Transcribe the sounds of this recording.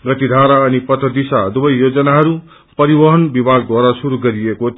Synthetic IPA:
ɡʌt̪id̪ʱaɾaʌnipʌt̪ʌd̪isad̪ubʌjːod͡zʌnaɦʌɾu | pʌɾibʌɦʌnbibʱaɡdwaɾasuɾuɡʌɾieko

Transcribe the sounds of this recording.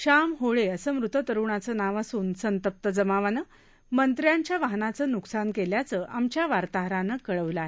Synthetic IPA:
ɕamɦoɭeəsəːmɾut̪ət̪əɾuɳat͡səːnaʋasuːnsənt̪əp̚t̪əd͡zəmaʋanə | mənt̪ɾjaɲt͡ɕjaʋaɦnat͡səːnuksankeljat͡səːʔamt͡ɕjaʋaɾt̪aɦɾanəkəɭəʋləaɦe

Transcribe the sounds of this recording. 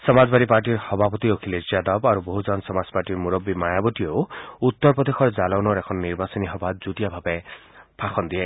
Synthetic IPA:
sɔmad͡ʒbaɾipaɾʈ̬iɾhɔbʱapɔt̪iokʰiled͡ʒijad̪ɔbaɾuboɦud͡ʒɔnsɔmazɔ̥paɾʈiɾmuɾɔbːimajabɔt̪iowut̪ːɔɾpɔd̪exʰɔɾd͡ʒalɔwnɔɾekʰɔnɔniɾbasɔniɦɔbʱad͡ʒud̪ijabʱabe | pʰaxɔnd̪ie

